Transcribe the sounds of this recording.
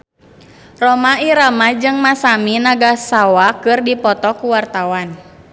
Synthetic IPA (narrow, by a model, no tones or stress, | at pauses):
rɔmaiɾamad͡ʒɨŋmasaminaɡasawakɨrdipɔt̪ɔkuwart̪awan